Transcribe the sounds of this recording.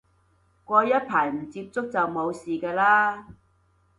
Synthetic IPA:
kʷɔː˧jɐ˥t̚pʰaː˨˩jm̩˨˩t͡siː˧p̚t͡sʊ˥k̚t͡sɐ˨wmo˨˧wsiː˨kɛː˧laː˥

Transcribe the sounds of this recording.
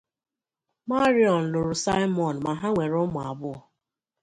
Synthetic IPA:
ma˦ɾi˦ɔ˨n̩˨lʊ˨ɾʊ˨sa˦jmɔ˨n̩˨ma˨ɦa˦ŋʷe˨ɾʊ˦mʊ˨a˨bʊ˦ɔ˨

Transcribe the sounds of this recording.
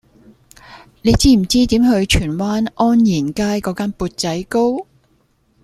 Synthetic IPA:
ne˨˧jt͡siː˥m̩˨˩t͡siː˥t̪iː˨˥mhɵ˧ɥt͡ʃʰyː˨˩nwaː˥nʔɔː˥njiː˨˩nkaː˥jkɔː˨˥kaː˥npuː˧t̚t͡sɐ˨˥jko˥w

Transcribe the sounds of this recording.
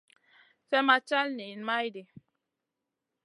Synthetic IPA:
fɛ˦ma˦t͡ʃa˦lne˨nma˦jde˨

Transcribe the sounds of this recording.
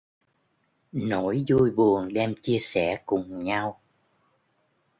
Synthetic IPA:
no˧˩˥jzu˧jɓu˨˩ənɗɛ˧mt͡ɕi˧əsɛ˧˩kʊ˨˩ŋ͡mɲa˧w

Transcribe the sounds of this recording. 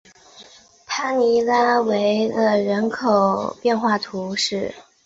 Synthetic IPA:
t̪ʰa˥ni˧˥la˥we˧˥ɪd̪ə˧ɻə˧˥nkʰo˨˩ʊpjɛ˥˧nxwa˥˩t̪ʰu˧˥ʂɻ̩˥˩

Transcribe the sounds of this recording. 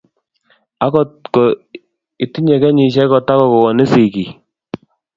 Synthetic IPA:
a˦kɔ˦˨kɔ˨ | i˨ti˦ɲɛ˨kɛ˦ɲi˨ʃ̬ɛ˦kɔ˨ta˦kɔ˦˨kɔ˨wɔ˨ni˦si˨ki˨

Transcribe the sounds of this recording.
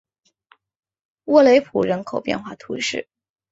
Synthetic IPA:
wɔ˥˩le˧˥ɪpʰu˨˩ɻə˧˥nkʰo˨˩ʊpjɛ̰˥˧nxwa˥˩t̪ʰu˧˥ʂɻ̩̰˥˩

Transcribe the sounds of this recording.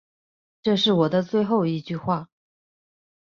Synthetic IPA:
ʈ͡ʂɤ˥˧ʂɻ̩˥˩wɔ˨˩d̪ə˦t͡swe˥˧ɪxo˥˧ʊi˧˥t͡ɕy˥˧xwa˥˩

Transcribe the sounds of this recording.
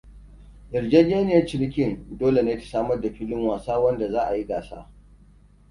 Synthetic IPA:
d͡ʒɪ˨ɾd͡ʒe˦d͡ʒeː˦nɪ˦˨jɐ˦t͡ʃɪ˦ɾɪ˦kʲɪ˦˨ndoː˦le˨naː˦ti̥˨saː˦mɐ˦rda˨ɸiː˦lɪ˦ŋwaː˨saː˦wɐ˦nda˨zaː˦ʔa˨ji˦ɡaː˨sa̰ː˦

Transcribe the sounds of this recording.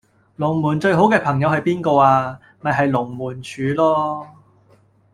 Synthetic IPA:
lʊ˨˩ŋmuː˨˩nt͡sɵ˧ɥɦo˨˥wkɛː˧pʰɐ˨˩ŋjɐ˨˧whɐ˨jpiː˥nkɔː˧aː˧ | mɐ˨jɦɐ˨jlʊ˨˩ŋmuː˨˩nt͡ʃʰyː˨˧lɔː˥

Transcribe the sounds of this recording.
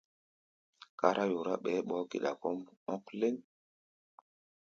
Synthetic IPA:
ka˦ɾʔa˦jo˨ɾa˦ɓɛ˨˦ɓɔ˨˦kḛ˨ɗa̰˨kɔ˦mɔ˦kle˦n

